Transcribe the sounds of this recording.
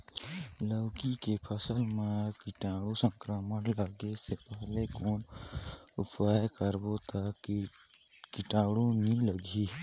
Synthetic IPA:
ləwkikepʰəsəlmekɪʈaːɽusə̃ŋkɾəmənləɡesepəɦlekoːn | ʊpajkəɾbot̪a | kiʈaːɽunĩləɡʱi

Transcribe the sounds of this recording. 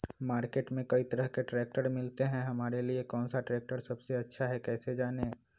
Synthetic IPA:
maːɾkeːʈmẽkɐit̪ɐɾəɦkeʈɾɛːk̚ʈəɾmɪlt̪eɦɛ̃ɦɐmaːɾeliekɔːnsaʈɾɛːk̚ʈəɾsɐbseɐtːʃʰaɦɛkɛːsed͡ʒaːne

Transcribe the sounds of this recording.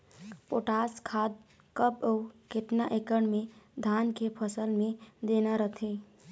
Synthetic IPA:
poʈaskʰad̪̚ | kəbəukeʈnaʔekənmed̪ʱankepʰəsəlmed̪enaɾət̪ʰe

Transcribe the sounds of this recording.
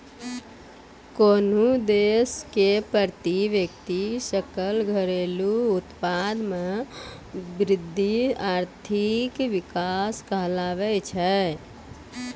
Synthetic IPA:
konud̪eskepəɾt̪iʋjəkt̪isəkəlɡʱəɾeluut̪pad̪me | bɾɪd̪ʱːiaɾt̪ʰikʋikaskəɦlaʋɛt͡ʃʰɛ

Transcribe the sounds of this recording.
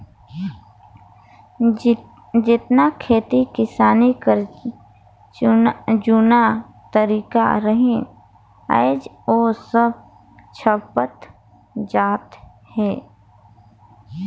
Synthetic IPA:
d͡ʒɪt̪nakʰeːt̪ikɪsaːnikəɾ | d͡ʒuna | t̪əɾiːka̰ɾəɦẽ | ə̰ɪd͡ʒ | oːsəb̚ | t͡ʃʰəpət̪ | d͡ʒaːt̪ | hɛː

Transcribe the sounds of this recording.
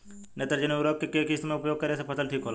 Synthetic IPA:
net̪əɾd͡ʒəneuɾoːkkekekist̪mẽʊpjoːɡ̚kɐɾesepʰɐsəlʈʰiːkɦoːla

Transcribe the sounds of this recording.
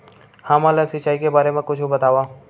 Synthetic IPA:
hãːmaːlasɪt͡ʃaːikebaːɾemẽkʊt͡ʃʰubɐt̪aːʋaː

